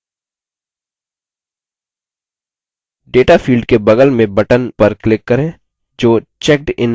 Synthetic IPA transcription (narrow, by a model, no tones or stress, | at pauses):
ɖeːʈafʰiːlɖkebɐɡəlmẽbɐʈənpɐɾklɪkːɐɾẽː | d͡ʒoːt͡ʃɛk̚ʈɪ̰n